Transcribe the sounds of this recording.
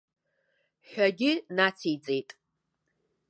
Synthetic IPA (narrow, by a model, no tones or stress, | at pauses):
ħʷᶣaɡʲɪnat͡sʰit͡sʼejtʼ